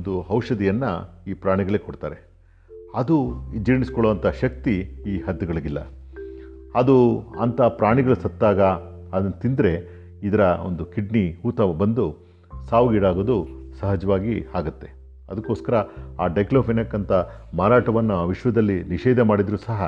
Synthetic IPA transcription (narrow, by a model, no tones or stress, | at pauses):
d̪uɦɐwʂɐd̪ijɐnːɐ̰iːpɾaːɳiɡɐɭekoɽt̪a̰ːɾe̞ | ɐd̪uid͡ʒiːɳiskɔɭoːʋɐnt̪ʰɐʃɐk̚t̪iiːɦɐd̪ːɐɡɐɭɐɡilːɐ̰ | ɐd̪uɐ̰nt̪ʰɐpɾaːɳiɡɐɭusɐt̪ːaːɡɐː | d̪ɐnːɐt̪ind̪ɾe̞ | id̪ɐɾɐo̰nd̪ukiɖɳihuːt̪ɐbɐnd̪u | saːʋuɡiɽaːɡoːd̪usɐɦɐd͡ʒɐʋaːɡiaːɡɐt̪ːe̞̥ | ɐd̪ɐkːo̞ːskɐɾɐaːɖɐjkloːpʰenɐkːɐnt̪ʰɐmaːɾaːʈɐʋɐnːuːʋiʂʋɐd̪ɐlːiniʃɛːd̪ɐmaːɽid̪ɾuːsɐɦɐ